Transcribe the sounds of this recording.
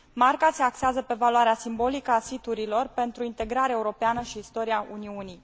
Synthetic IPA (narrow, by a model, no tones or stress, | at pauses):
markase̞akseazəpe̞valuaɾeasimbo̞likəasit̪uɾilo̞rpe̞nt̪ɾuint̪e̞ɡɾaɾeaeuɾo̞peanəʃiːst̪o̞ɾiaʔuniuni